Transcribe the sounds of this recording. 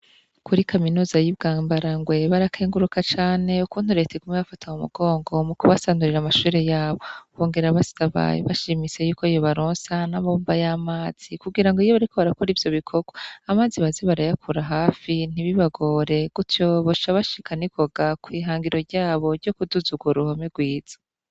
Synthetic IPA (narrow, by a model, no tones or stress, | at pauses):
kuɾikʰaminuːzajibɡaːmbaɾaŋɡwe̞βaɾakʰeːŋɡuɾukat͡ʃaːne̞ukuːnhuɾe̞teɡumŋeβafatʰamumṵɡ̥o̞ːŋɡo̞mukuβasaːnduɾiɾamaʃuːɾejaːβo̞βo̞ːŋɡe̞ɾaβasaβa̰βaʃimise̞juːkoijo̞βaɾoːnsanaβombajamaːz̥ikuɡiɾaŋɡoijoβaɾikoβaɾakoɾiːvjo̞βikʰo̞ɡ̥oamaːziβaziβaɾajakʰuɾaɦaːfin̥iβiβaɡoːɾe̞ɡ̥utjoβoʃaβaʃi̥kʰanikʰo̞ɡakwiːɦaːŋɡiɾo̞ɾɟaːβo̞ɾɟo̞kuduzuɡuɾuhomeɡwiːz̥ḁ